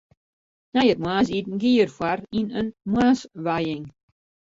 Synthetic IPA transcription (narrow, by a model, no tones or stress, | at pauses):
nɛjət̚mwaːs̬itn̩ɡiːərfwarinənmwaːsʋajɪŋ